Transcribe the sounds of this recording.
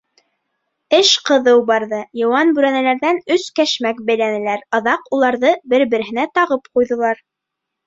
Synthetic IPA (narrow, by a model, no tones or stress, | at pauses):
ɘʃqɤ̆ðɤwbɑɾðɤjɤ̆wɑnbʉɾænælæɾðænɵskæʃmæk̚bæjlænɘ̆læɾɤ̆ðɑqulˠɑɾðɤbɘɾbɘ̆ɾɘ̆ɦɘ̆næt̪ɑʁɤpqujðɤ̆lˠɑɾ